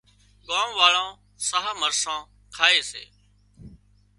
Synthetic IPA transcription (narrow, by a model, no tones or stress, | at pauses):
ɠaːmʋaːɭãː | səːɦaːməɾsãː | kʰaːeːsḛː